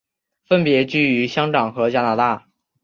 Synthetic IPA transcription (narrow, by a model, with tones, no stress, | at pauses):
fə˥npjɛ˧˥t͡ɕy˥˩y˧˥ɕjɑ˥ŋʈ͡ʂɑ˨˩ŋxɤ˧˥t͡ɕja˥na˧˥t̪a˥˩